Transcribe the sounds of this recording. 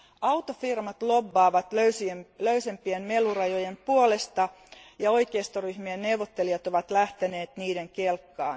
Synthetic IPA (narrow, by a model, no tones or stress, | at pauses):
ɑwt̪ofirmɑt̪lobːɑːʋɑt̪øysiløysempienmelurɑjojempuole̞st̪ɑ | jɑo̞jkeːst̪oryhmienne̞wʋot̪ːeliɑt̪o̞ʋɑt̪læht̪ene̞ːt̪niːdeŋkelkːɑː